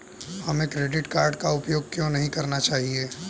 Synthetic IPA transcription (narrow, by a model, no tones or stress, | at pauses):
hɐmẽkɾeːɖɪʈkaːɾɖkaʊpjoːɡ̚kjõːnɐɦĩkɐɾnat͡ʃaːɦieː